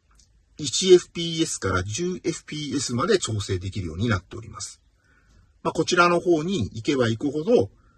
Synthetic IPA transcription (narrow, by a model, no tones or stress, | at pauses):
it͡ɕie̞ɸɯ̟̥pʲiːe̞sɨ̥kaɾaʑɨːʔe̞ɸɯ̟̥pʲiːe̞sɨmad̪e̞t͡ɕo̞ːse̞ːd̪e̞kʲiɾɯjo̞̰ːɲ̟inat̪ːe̞o̞̰ɾʲimasɨ̥ | mako̞t͡ɕiɾano̞ho̞ːɲ̟iike̞βaikɯ̟ɦo̞d̪o̞